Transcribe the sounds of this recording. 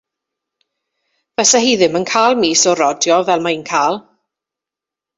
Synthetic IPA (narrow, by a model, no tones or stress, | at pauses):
vɛsaɦiːðɪmənkʰaːlˠmiːsɔɾɔdjɔvɛlˠmainkʰaːlˠ